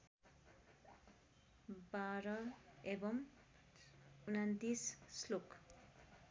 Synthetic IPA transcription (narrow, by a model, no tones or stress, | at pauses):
baɾʌebʌm | unant̪isslok